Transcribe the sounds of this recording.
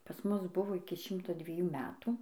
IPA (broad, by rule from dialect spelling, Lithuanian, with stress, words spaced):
pɐs ˈmʊs ˈbʊʋoː ɪkʲɪ ˈʃʲɪmtoː dʲʋʲiɛˈjuː ˈmʲæːtuː